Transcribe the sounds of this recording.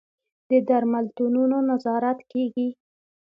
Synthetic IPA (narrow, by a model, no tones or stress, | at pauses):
d̪̥əd̪aɾmalt̪ununonazɑɾat̪keɡi